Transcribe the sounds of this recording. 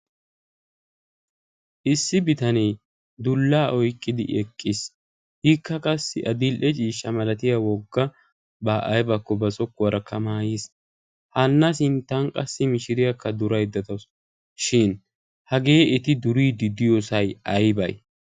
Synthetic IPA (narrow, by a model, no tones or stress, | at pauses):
ʔɪsːɪbɪt̪ɐnɛj | d̪ʊlːaːʔɔjkʼːɪd̪ɪ̰ʔɛkʼːɪs | hɪkːɐkʼɐsːɪʔɐd̪ɪlʔɛt͡ʃʼiːʃːɐmɐlɐt̪ɪjawɔɡːɐ | baːʔɐjbɐkːɔbɐsɔkːwɐɾɐkːɐmaːjis | hɐnːɐs̬ɪnt̪ːɐŋkʼɐ̰sːɪmɪʃɪɾɪjɐkːɐd̪ʊɾɐjd̪ɐt̪ɐs | ʃɪn | hɐɡeːɛt̪ɪd̪ʊɾiːd̪ɪd̪ɪjɔsɐjɐjbɐ̰j